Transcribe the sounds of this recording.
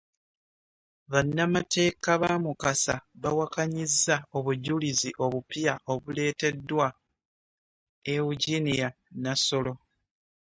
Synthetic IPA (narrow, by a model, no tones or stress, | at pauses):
βanːamatʰe̞ːkaβamukasaβawakaɲizːao̞βuɟuliziʔo̞βupjaʔo̞βule̞ːte̞dːwa | euɟinija | naso̞lo̞